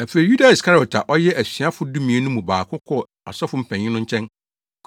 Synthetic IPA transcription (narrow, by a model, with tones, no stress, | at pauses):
æ˨fe˨i˨ju˦da˨ɪ˨skʰa˦ɾi˨ɔ˨tʰa˨ʔɔ˦jɛ˦ʔæ˨si˨a˦fʊ˨˦dũ˦mĩ˨e˦nũ˦mũ˨baː˨kʰʊ˦kʰɔ˦ | a̰˨sɔ˦fʊ˦m̩˦pʰæ̃˨ɲ̃˨ɪ˦nʊ̃˦ɲ˦t͡ɕʰɛ̃˦n